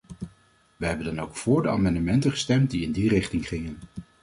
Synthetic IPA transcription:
ʋəɦɛbəndɑnowkfʊːɹdəa̰mɑndəmɛntəχə̥stɛmt̚diɪndirɪχtɪŋχɪŋən

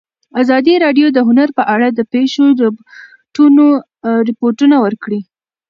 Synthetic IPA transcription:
azɑd̪iɾɑɖjod̪əɦʊnaɾpəʔaɽad̪əpeʃodə | ʈuno | ɾɪpoɾʈunawəɾkɽi

